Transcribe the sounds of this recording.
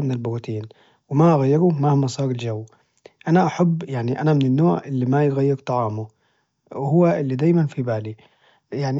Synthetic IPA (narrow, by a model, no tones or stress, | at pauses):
mɪnɪlbʊɾt̪iːn | wɪmaʔaɣajːɪɾʊmahmɑsˤɑːɾɪld͡ʒawː | ʔanaʔaħabːjaʕniʔanamɪnɪnːoːʕʔɪlːimajɣajːɑɾt̪ˤɑʕɑːmʊ | wɪhʊwːaʔɪlːid̪aːjmanfibaːli | jaʕni